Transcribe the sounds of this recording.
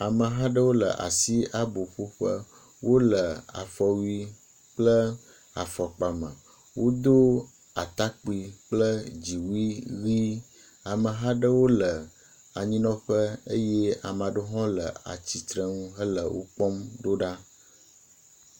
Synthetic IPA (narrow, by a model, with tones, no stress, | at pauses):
a˨mə˨ɦã˦ɖə˦wo˦lə˨ʔa̰˨si˦ʔa˨bo˨ɸo˦ɸə˦ | wʔo˦lə˨a̰˨fɔ˨wi˦ | k͡plə˦ | a˨fɔ˨k͡pa˨mə̃˨ | wo˦d̪o˦ | a˨t̪a˦k͡pi˨k͡plə˦d͡ʑi˨wi˦ɣi˦ | a˨mə˨ɦã˦ɖə˦wo˦lə˨ | a˨ɲĩ˦nɔ̃˦ɸə˦ə˦je˦a˨m˨ã˨ɖo˦ɦɔ̃˦lə̰˨a̰˨t͡ɕi˨t̪ɾə˦ŋũ˦ɦə˦lə˨wo̰˦k͡pɔ˦mɖo˦ɖa˦